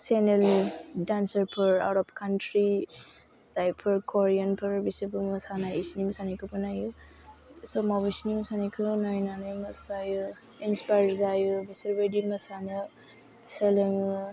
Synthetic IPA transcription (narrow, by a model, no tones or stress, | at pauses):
seneldansəɾpʰɯɾa̰wɾɔpkʰantɾi | z̥ajpʰɐɾkʰɔɾijanpʰɯɾbisebɯmɐsanaisnimɐsanakʰɯpɯnaju | sɔmabisnimsanikʰɯnajnanɯjmɐsajɯ | inspajɾzajubiseɾbedimɐsana | selɯŋɯ